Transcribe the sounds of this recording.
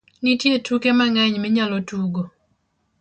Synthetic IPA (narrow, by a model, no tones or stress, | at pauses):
nitjetukemaŋaɲmɛɲalɔtuɡo